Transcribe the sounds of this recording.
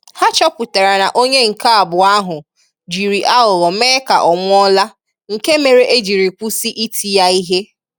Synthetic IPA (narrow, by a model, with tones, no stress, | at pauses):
ha˦t͡ʃɔ˦pʊ˨ta˨ɾa˨na˨ʔo˦ɲe˦ŋ̩˨ka˦a˨bʊ˨a˦ɦʊ˨ | d͡ʒi˨ɾi˨ʔa˦ʊ˨ɣɔ˨meː˦ka˨ʔɔ˨ŋʷʊ˦ɔ˦la˦ | ŋ̩˨ke˦me˨ɾe˦ʔe˦d͡ʒi˨ɾi˨kʷu˦si˦ʔi˦tʰi˦˨ja˦i˦ɦe˦